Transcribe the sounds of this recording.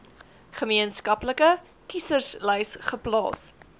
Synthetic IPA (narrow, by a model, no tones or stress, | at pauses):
χəmiənskɐpləkə | kisərslɛjsχəplɑ̰ːs